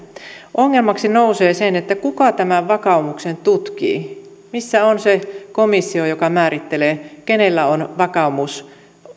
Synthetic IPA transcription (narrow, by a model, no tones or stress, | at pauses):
ʔoŋːelmɑksinouseːsenet̪ːækukɑt̪æmæʋʋɑkɑumuksent̪ut̪kḭː | misːæonsekomisːiojokɑmæːɾit̪ːeleːkenelːæonʋɑkɑumus